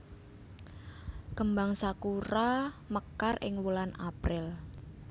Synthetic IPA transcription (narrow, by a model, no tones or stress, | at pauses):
kəmbaŋsakuɾaməkarɪ̰ŋwulanapɾɪl